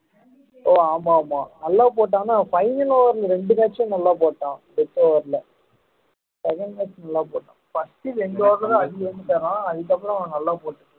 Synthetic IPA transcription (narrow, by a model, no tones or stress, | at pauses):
oːaːmaːmaːnɐlːaːp̬oːʈ̬ːãːnaːpɐɪʋɯnoːʋɐɾlɐɾɛɳɖɯkaːʈt͡ʃːɐ̃nɐlːaːpoːʈːãːbɛt̪ːoːʋɐɾlɐ | sɛkɐɳɖkaːt͡ʃːnɐlːaːpoːʈːãːfɐsʈɯɾɛɳɖɯoːɾɐɾɐ̃ɐðɯɐnd̪ɯt̪ːɐːɾãːɐðɯk̬ɐpːɽɐ̃nɐ̃nɐlːaːpoːʈːɯ̃